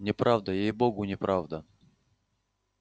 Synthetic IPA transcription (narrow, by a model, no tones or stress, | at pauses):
nʲɪpɾʔavd̪əjejboɡʊnʲɪpɾʔavd̪ə